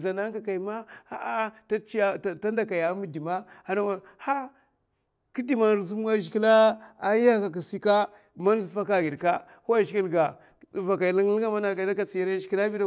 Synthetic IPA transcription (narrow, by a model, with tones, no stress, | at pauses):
za˨na˦ka˨ka˨i˨ma˦a˨a˦ta˦t͡ʃa˦˨ta˦nda˨ka˨ja˨˦mu˦di˨ma˦a˨na˦wa˨ha˦ | ki˦di˦ma˨nɾzu˦m˦a˦ʒi˨ki˦la˦a˦ja˦ka˨k̬i˨si˦ka˦ | ma˦n˦zu˨˦fa˦ka˦ɡi˨ɾka˦ | ha˦˨ʒi˨˦ki˦lɡa˨ | va˨ka˨li˦ŋ˦li˦a˦ma˦na˨ɡa˨da˦ka˨t͡si˨ja˦ɾa˦ʒi˨˦i˦la˦bi˦da˦